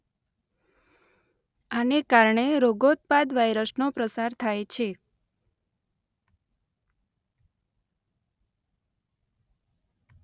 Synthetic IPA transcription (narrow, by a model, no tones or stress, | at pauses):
anekaɾɳeɾoɡot̪̚pad̪ʋajɾəsnopɾəsaɾt̪ʰajt͡ʃʰe